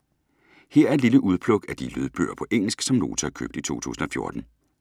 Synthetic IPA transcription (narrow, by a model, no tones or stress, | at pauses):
heɐ̰æɐe̝d̥liləʔuð̞ˠpʰlɔ̽ɡ̥æd̥ilyð̞ˠb̥ø̰ːɐpʰɒ̽ʔeŋ̰l̩sɡ̥sɒ̽mlo̝̰ːt͡sʰækʰø̰ːb̥d̥it͡sʰo̝̰ːt͡sʰṵːsn̩ɒ̽fjo̝ɐd̥n̩